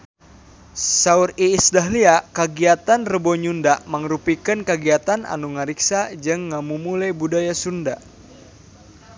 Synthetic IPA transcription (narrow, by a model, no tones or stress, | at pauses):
sauriːsdaɦliakəɡiat̪anrəbɔɲundaʔmaŋɾupikənkəɡiat̪anʔa̰nuŋaɾiksad͡ʒɨŋːamumulɛbudajasunda